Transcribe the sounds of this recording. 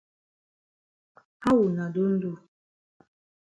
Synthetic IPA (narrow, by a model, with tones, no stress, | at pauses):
ha˦wu˨na˨d̪u˦n˦d̪u˦˨